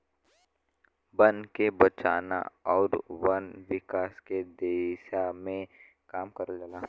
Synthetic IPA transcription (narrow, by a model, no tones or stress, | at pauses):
bɐ̃nd̪kebɐt͡ʃaːna̰ɔːɾwɐnʋɪkaːsked̪eːʃamẽ | kaːmkɐɾad͡ʒalaː